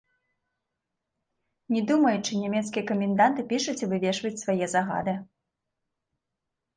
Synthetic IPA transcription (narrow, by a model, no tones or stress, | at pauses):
nʲɛd̪umɐjut͡ʂɨnʲɛmʲɛt̪skʲijɛɐkɐmʲɛnd̪ant̪ɨpʲiʂut͡sʲivɨvʲɛʂvɐt͡sʲsvajɛzaɣa̰d̪ɨ